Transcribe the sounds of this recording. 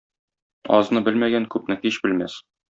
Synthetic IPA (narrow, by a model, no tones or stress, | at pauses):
ɒ̰znɤbɘlmæɡæŋkʉpnɘhiɕbɘ̆lmæ̰s